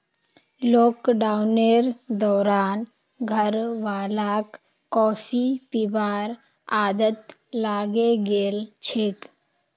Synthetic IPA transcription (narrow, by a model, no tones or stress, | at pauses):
loːkɖaːʊneɾd̪ɔːɾaːn | ɡʱəɾʋaːlaːkː | ɔːpʰipibaːɾ | aːd̪ət̪laːɡeɡeːlt͡ʃʰɪk